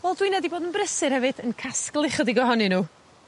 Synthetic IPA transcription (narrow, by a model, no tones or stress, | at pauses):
vɛlˠdwiːnɛdiboːdənbrəsɨɾhɛvɨðənkʰasklˠɪχədiɡɔɦɔninuː